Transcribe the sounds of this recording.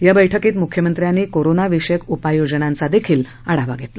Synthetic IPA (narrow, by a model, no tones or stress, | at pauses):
jabəjʈʰəkiːt̪mukʰjəmənt̪ɾjanːiːkoɾonaʋiɕekupajod͡zənãnt͡sad̪ekʰiːl | əɽaʋaɡʱet̪la